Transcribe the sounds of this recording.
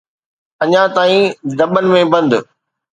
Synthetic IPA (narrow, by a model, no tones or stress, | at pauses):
ɐɲãt̪aːĩd̪ɐɓənɪ̆mẽbɐ̃nd̪ʊ